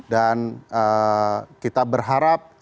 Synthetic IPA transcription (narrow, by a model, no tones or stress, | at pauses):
danə | kit̪abərɦaɾap̚